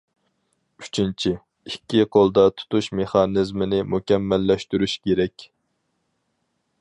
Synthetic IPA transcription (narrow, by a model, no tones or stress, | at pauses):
yt͡ʃʰint͡ʃʰi | ikʲːiqʰolˠd̪ɑt̪ʰu̥t̪uʃmeχɑnɨzmɪnɪmukʲɛmːɛlːɛʃt̪yɾyʃkʲeɾɛkʲ